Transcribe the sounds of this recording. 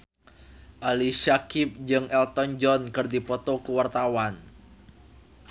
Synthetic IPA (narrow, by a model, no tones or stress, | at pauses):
ʔaliʃakip̚d͡ʒɨŋɛlt̪ɔnd͡ʒɔnkɨrdipɔt̪ɔkuwart̪awan